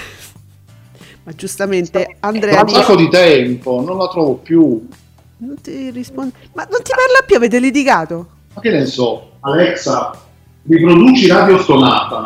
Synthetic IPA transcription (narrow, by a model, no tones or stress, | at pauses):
mad͡ʒust̪ament̪eand̪ɾɛːansakːod̪it̪ɛmpononlat̪ɾɔːvopju | nont̪irispond̪imanːont̪iparlapjuaveːt̪̬elit̪̬ikaːt̪o | mak̟ːenːesɔ | alɛksa | ripɾod̪uːt͡ʃiɾad̪jost̪ona̰ːt̪a